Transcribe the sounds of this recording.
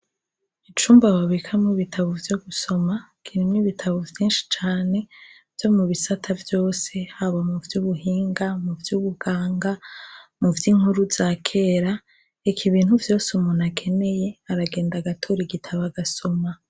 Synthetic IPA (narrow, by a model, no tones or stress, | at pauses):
it͡ʃuːmbaβaβikʰamŋiβitʰaβovjo̞ɡuso̞makʰiɾimŋiβitʰaβovjiːnʃi̥t͡ʃaːne̞ | vjo̞muβisatʰavjo̞ːse̞haβamuvjuːβuɦiːŋɡamuvjuːβuɡ̥aːŋɡamuvjiŋ̥huɾuz̥aːkʰe̞ːɾa | ekʰiβiːnhuvjo̞ːsumunakʰe̞ne̞je̞aɾaɡe̞ːndaɡatʰoːɾiɡitʰaβaɡaso̞ma